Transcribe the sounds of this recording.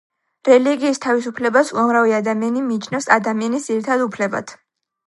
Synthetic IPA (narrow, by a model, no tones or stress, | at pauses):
ɾɛliɡiːst̪ʰavis̬upʰlɛbasuamɾaviad̪amianimiːt͡ʃʰnɛfsa̰d̪amianisd̪ziɾit̪ʰad̪upʰlɛba̰t̪ʰ